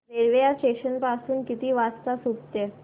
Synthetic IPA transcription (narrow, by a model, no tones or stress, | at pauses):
ɾeɾʋejaseɕənpasuːnkit̪iːʋast͡st̪asukt̪ɛ